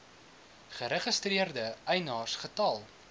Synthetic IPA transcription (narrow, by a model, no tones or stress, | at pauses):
χəɾəχəstriərdəɛjnɑːrsχətɐlˠ